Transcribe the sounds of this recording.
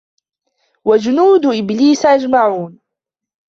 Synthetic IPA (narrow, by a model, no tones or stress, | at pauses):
wad͡ʒʊnuːd̪ʔɪbliːsʔad͡ʒmaʕuːn